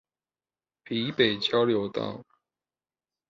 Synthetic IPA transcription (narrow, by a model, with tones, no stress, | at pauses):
pi˨˦pe˨˩ɪt͡ɕjɑ˥ʊljo˧˥ʊt̪ɑ̰˥˩ʊ